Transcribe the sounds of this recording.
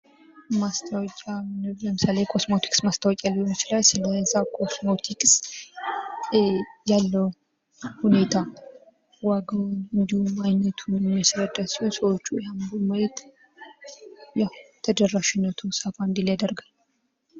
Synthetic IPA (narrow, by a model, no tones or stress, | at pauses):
mast̪ʰəwɔkʼanbəmɨsalejkʰo̞smot̪ʰi̥kʼsmast̪ʰəwɔkʼaliot͡ʃːlajsɨləsakʰo̞smot̪ʰikʼs | jalːəw | hune̞t̪ʰa | waɡawnɨnd̪ihumajnət̪ʰunjɛmːijasɾəd̪əsəwsəwot͡ʃːujand̪umələt̪ | jawt̪ʰəd̪ərːaʃɪnːət̪ʰusafand̪iljad̪əɾɡal